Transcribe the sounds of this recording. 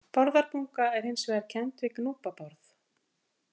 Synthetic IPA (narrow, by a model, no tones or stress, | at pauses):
pɔɾðaɾpuŋkaɛɾ̥hɪjnsvɛːaɾ̥cʰɛnt̪vɪknuːpapɔɾθ